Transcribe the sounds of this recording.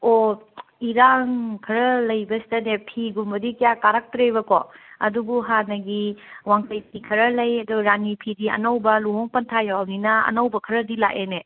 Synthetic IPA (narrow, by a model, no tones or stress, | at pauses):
oiɾaŋkʰɐɾɐlɐjbɐsi̥tɐnepʰiɡumbɐdikijakaɾak̚tɾeβɐkɔ̰ɐ̰dubuɦanɐɡiwaŋkɐjt̚ikʰɐɾɐlɐjɐduɾanipʰidiɐ̰nɐwbɐluɦoŋpɐntʰajawninɐɐ̰nɐwbɐkʰɐɾɐdila̰ʔene